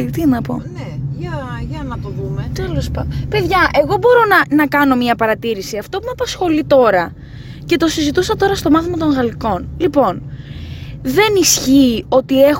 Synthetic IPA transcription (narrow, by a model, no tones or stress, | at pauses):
t̪inɐpo̰neʝɐʝɐnɐt̪oðumet̪elospɐpe̞ðʝɐʔe̞ɣo̞bo̞ɾo̞nɐnɐkɐno̞miɐpɐɾɐt̪iɾisiɐft̪o̞pumɐpɐsxo̞lit̪o̞ɾɐ | ce̞t̪o̞sizit̪usɐt̪o̞ɾɐst̪o̞mɐθimɐt̪o̞ŋɣɐliko̞nlipo̞n | ðe̞nisçiːo̞t̪ie̞